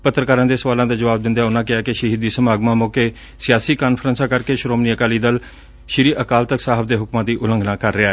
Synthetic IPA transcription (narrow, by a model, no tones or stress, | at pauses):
pət̪ːɾkaːɾãːd̪eːsəʋaːlãːd̪aːd͡ʒəʋaːb̚d̪ɪnd̪aːʊnãːkɪaːkɪʃəɦiːd̪iːsəmaːɡmãːmoːkeː | sɪjaːsiːkaːnfʰɾənsãːkəɾkeːʃɾoːmniːəkaːliːd̪əl | ʃɪɾiːʔəkaːlt̪əksaːɦəbd̪eːɦʊkmãːd̪iːʔʊlə̃ŋɡnãːkəɾːɪaːɛː